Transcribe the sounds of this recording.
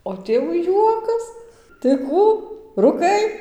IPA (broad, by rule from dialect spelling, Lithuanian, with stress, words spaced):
oː ˈtʲeːʋʊ ˈjuɔkɐs tɐɪ ˈkuː ruːˈkɐɪ